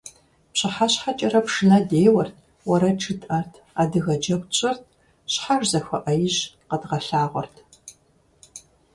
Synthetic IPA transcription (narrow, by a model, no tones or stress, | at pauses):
pɕɪħaɕħat͡ʃʼɐrɐpʂɨnɐdeːwɐrtʰ | wɐɾɐʈ͡ʂʰɨtʼɐrtʰaːdɨɣɐd͡ʒɐkʷt͡ɕʼɪrt̚ʰ | ɕħaʐzɐxɐ̰ʔɐjɪʑqədʁɐɬaːʁʷɔ̰rtʰ